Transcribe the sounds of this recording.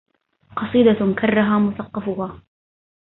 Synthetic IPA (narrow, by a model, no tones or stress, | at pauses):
qɑsˤiːd̪akɑrˤːaɦaːmʊθɑqːɑfʊhaː